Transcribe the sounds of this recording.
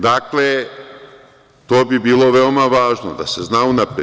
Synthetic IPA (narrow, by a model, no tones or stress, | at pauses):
d̪akle | t̪o̞ːbibiːlo̞ʋeomaʋaːʒnod̪a̰seznaunapɾe